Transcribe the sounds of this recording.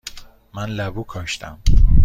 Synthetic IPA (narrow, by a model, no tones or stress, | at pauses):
mænlæbuːkʰɒːʃt̪ʰæm